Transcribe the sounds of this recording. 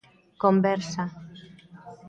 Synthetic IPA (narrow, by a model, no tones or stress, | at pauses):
kombɛɾsa